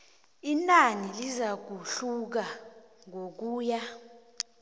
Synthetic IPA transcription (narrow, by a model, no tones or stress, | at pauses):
inanilizak̬uɬuk̬aŋok̬uːja